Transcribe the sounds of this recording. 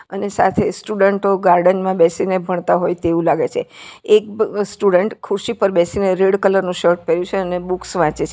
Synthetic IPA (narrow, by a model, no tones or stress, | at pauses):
ənesat̪ʰesʈuɖəɳʈoɡaɾɖənmãbɛsinebʱəɳ̃t̪aɦojt̪eʋũlaɡet͡ʃʰḛek̚sʈuɖəɳʈkʰuɾʃipəɾbɛsineɾeɽkələɾnũʃəɾʈ̚pɛɾjũt͡ʃʰeənebuksʋãt͡ʃet͡ʃʰe